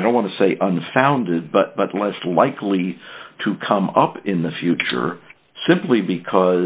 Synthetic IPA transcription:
dõn̚ʔwɑ̃nɨseɪʔə̃nfãʊ̃ndɪd̚bʌt̚b̥ʌtˡlɛslaɪkʰliɾɨkʰʌ̃mʌpɪ̃nðɨfjʉt͡ʃə̰˞ | sɪ̃mplibɨkʰʌ

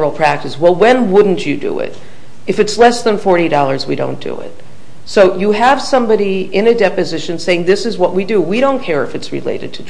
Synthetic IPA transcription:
l̩ˠpʰɹ̥æk̚tɨswɛlˠwɨ̃nwʊdⁿn̩t͡ʃɨdɨ̰ɪ̰ɾ | ɨfɨtslɛsðə̃nfɔɹɾidɔlˠə˞zwiɾõ̰ʊ̃nd̥ɨ̰ɪ̰t̚ | soʊjɨəv̥sʌ̃mbɑɾiɪ̃nɨdɛpɨzɪʃɨ̃nseɪɪ̃ŋðɪsɨzwʌʔ̚widɨwiɾõʊ̃nkʰɛɹɨfɨtsɹɨ̰lḛɪɾɨ̰d̚tʰɨ

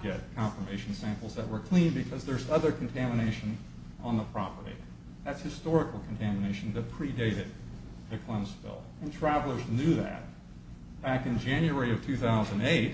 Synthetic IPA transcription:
ɡ̥ɛt̚kʰɑ̃ɱfə˞meɪʃn̩sæ̃mpl̩ˠzðɨt̚wə˞kʰl̥ĩnbɨkʰʌzðə˞zʌðə˞kʰn̩tʰæmɨneɪʃɨ̃n | ə̃nðəpʰɹ̥ɑpə˞ɾḭ | ðætshɨstɔɹɨkl̩ˠkʰn̩tʰæmɨneɪʃn̩ðɨt̚pʰɹ̥ideɪɾɨd̪̚ | ðɨkʰl̥ʌ̃msfɪ̰lˠɨ̃ntʰɹ̥ævl̩ˠə˞znjʉðæ̰t̚ | b̥ækɨ̃nd͡ʒæ̃njuɛɹiʌv̥tʰʉθaʊzɨ̃ndeɪt̚

